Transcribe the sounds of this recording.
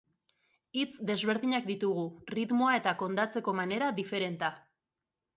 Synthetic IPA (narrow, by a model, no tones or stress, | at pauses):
it͡sd̪e̞zβe̞ɾðiɲak̚d̪it̪uɣ̞urit̪moae̞t̪ako̞nd̪at͡se̞ko̞mane̞ɾaðife̞ɾe̞nt̪a